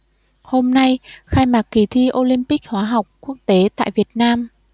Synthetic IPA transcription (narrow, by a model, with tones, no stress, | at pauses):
ho˧mna˧jxaː˧jmaː˨˩k̚kːi˨˩t̪ʰi˧ʔo˧li˧mpi˦˥k̚hwaː˨˦ɦa˨˩wk͡p̚ku˦˥ək̚t̪e˨˦t̪a̰ː˧˨jvi˨˩ət̚naː˧m